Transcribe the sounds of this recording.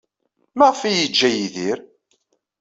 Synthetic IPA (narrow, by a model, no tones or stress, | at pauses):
mæʁəfijid͡ʒːæjiðiɾ